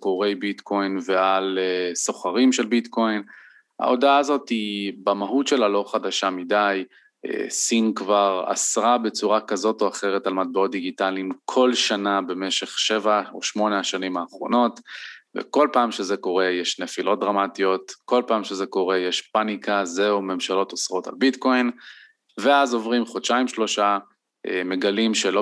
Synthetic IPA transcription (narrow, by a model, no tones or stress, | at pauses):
ko̞ʁe̞jbitko̞jnve̞aleso̞χaʁimʃe̞lbitko̞jn | a̰o̞daazo̞tibamaɦutʃe̞lalo̞χadaʃamidaj | ḛsinkvaʁa̰sʁabe̞t͡suʁakazo̞to̞aχe̞ʁetalmat̚beo̞t̪̚d̪iɡitalimkʰo̞lʃanabe̞me̞ʃe̞χʃevao̰ʃmo̞neaʃanimaːχʁo̞̰no̞tvḛko̞lpaːmʃezeko̞ʁe̞jeʃnefilʔo̞t̚dʁamatio̞tko̞lpaːmʃe̞zeko̞ʁe̞jeʃpanikʰazeume̞mʃalo̞tosʁo̞ta̰lbitko̞in | veazo̞vʁimχotʃaimʃlo̞ʃa | ʔeme̞ɡalimʃelo